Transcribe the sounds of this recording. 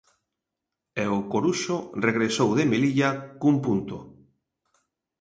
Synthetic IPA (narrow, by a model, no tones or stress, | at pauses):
ɛokoɾuʃoreɣɾesowðemeliʎakumpunt̪o